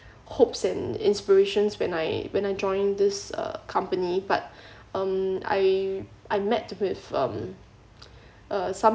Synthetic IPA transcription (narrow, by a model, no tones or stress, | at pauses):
hopsɛ̃nɪ̰̃nspiɹeʃə̃nswɛ̃najwɛ̃najd͡ʒɔ̃ɪ̃ndɪsʌ̰kʰãmpənibat̚ | ʌ̃ma̰jʔaɪmɛtwɪvʌ̰̃m | ʔʌsãm